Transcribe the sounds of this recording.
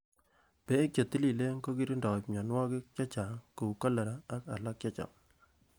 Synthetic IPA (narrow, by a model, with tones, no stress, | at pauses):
pe˦kjo˨t̪i˦li˨le˦ŋ˦ɡo˦ki˦ɾi˦ndɔ˨pɲɔ˨nwɔ˦kɪ˦k̚t͡ʃɔ˦t͡ʃa˨ku˨kɔ˦lə˨ɾa˨a˦ka̰˨la˦k̚t͡ʃɔ˦t͡ʃa̰˨